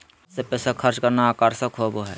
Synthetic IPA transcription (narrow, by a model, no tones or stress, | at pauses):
sepɛːsakʰəɾt͡ʃkɐɾnaːkaːɾsakʰoːboɦɛː